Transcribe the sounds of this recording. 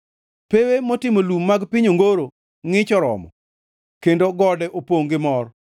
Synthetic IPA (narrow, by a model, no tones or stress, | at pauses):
pewemotɪmolumːaɡpɪɲoŋɡoɾo | ŋɪt͡ʃɔɾɔ̰mɔ̰ | kendoɡɔdɛʔopoŋɡɪmɔr